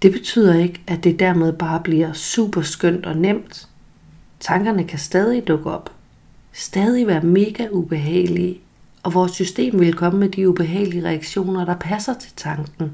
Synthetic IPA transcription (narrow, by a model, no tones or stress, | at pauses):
d̥e̝b̥e̝t͡sʰy̰ð̞̰ˠɐe̝ɡ̥æd̥e̝d̥æɐmeð̞ˠb̥ɑ̈ːb̥liɐ̰sṵːb̥ɐsɡ̥øn̰d̥ɒ̽nem̰d̥ | t͡sʰɑ̈ŋɡ̥ɐnəkʰæsd̥ɛːð̞ˠid̥ɔ̽ɡ̥əɒ̽b̥ | sd̥ɛːð̞ˠiʋæːɐme̝ːɡ̥æub̥e̝ɦɛ̰ːɪli | ɒ̽ʋɒːsːysd̥e̝̰ːmʋe̝lkʰɒ̽məmed̥iub̥e̝ɦɛ̰ːɪliəʁɛæɡ̥ɕo̝̰ːnɐɾ̥ɑ̈pʰæsɐt͡sʰe̝̥lt͡sʰɑ̈ŋɡ̥n̩